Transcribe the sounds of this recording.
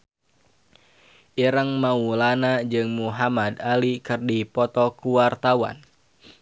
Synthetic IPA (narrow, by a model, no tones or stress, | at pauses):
ʔiɾəŋmaulanad͡ʒɨŋmuɦamad̪alikɨrdipɔt̪ɔkuwart̪awa̰n